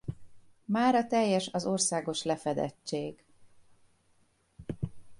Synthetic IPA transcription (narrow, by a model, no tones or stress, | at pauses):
maːɾɒt̪ɛjːɛʃɒzo̞rsaːɡo̞ʃlɛfɛd̪ɛ̰t͡ʃːeːɡ